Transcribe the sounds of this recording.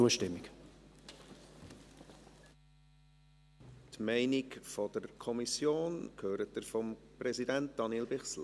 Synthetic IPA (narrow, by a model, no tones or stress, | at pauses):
uəʃtɪmːɪk | tmɛɪnikfɔd̥əɾkʰɔmisjoːnkʰhøːɾətdəɾfɔmprɛzidænt̚d̥ɑnilbɪχsl